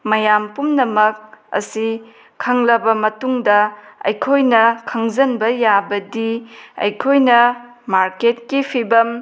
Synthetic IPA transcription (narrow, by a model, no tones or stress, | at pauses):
mɐjampumnɐmɐk̚ɐ̰si | kʰɐŋlɐbɐmɐtuŋdɐɐ̰jkʰojnɐkʰɐŋzɐnbɐjabɐdiɐ̰jkʰojnɐ | maɾket̚kipʰibɐm